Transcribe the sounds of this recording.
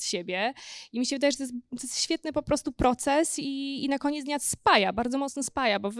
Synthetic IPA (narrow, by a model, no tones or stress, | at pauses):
ɕebʲjɛimʲiɕɛvɘd̪ajʐɛt̪̬ɔjɛs̬t̪t̪ɔjɛst̪ɕfʲjɛt̪nɘpɔpɾɔst̪upɾɔt̪sɛsiːnakɔɲet̪d̪ɲasspajabaɾd̪zɔmɔt̪snɔspajabɔv